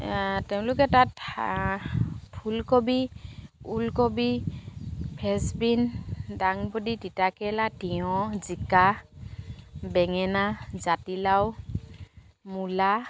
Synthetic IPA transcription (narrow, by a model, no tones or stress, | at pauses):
tɛʊ̃lʊkɛtat | pʰulkobi | ulkobi | pʰɛsbindaŋbɔdiditakɛladiɔ̃zika | bɛŋɛnazatilaw | mula